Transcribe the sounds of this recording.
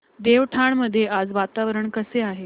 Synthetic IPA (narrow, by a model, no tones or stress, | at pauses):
d̪eʋʈʰaɳməd̪ʱːjead͡zʋat̪aʋɾəɳkəseaɦe